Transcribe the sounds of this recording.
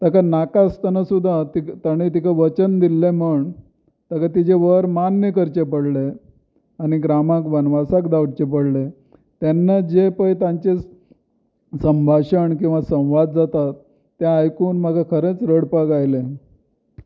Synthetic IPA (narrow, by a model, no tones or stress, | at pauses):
t̪əkanakast̪ənasud̪ʱːat̪it̪əɽ̃it̪̬ikaʋət͡ɕənd̪ilːeməɳ | t̪əkat̪id͡ʑeʋəɾmanːjəkəɾt͡ɕep̬əɽle | aɽ̃iɡɾamakʋənʋasakd̪awɽt͡ɕep̬əɽle | t̪enːad͡ʑepəjt̪ãɲt͡ɕe | səmbʱaɕəɳk̬ĩw̃ʋasə̃w̃ʋad̪̚d͡zat̪at̪ː | jãːjkuːnm̤əɡʱakʰəɾet͡sɾəɽpaɡajle